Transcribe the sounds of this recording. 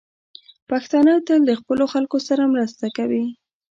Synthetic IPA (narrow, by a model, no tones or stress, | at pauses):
paxt̪ɑnɑt̪əld̪əxpəloxalkosaɾamɾəst̪akawi